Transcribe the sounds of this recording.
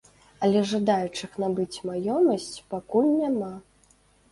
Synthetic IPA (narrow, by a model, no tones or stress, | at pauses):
ɐlʲɛʐad̪ajut͡ʂɨxnabɨt͡sʲmajɔmɐsʲt͡sʲpakulʲnʲama